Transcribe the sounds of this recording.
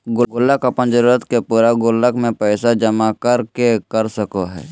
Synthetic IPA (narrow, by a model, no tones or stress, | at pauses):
ɡʊɡʊləkɐpənd͡ʒəɾuːɾət̪kepuːɾaɡʊlːəkmẽpɛːsad͡ʒəmakəɾkekəɾsəkoɦɛ̰ː